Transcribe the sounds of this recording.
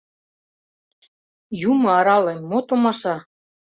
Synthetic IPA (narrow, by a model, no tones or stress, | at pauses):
jumɤ̆ɑɾɑlenʲmot̪omɑʃɑ